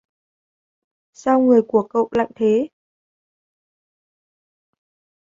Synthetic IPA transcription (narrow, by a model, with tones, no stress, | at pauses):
sa˧wŋɨ˨˩əjku˧˩əkə̰˧˨wla̰ː˧˨ŋt̪ʰe˨˦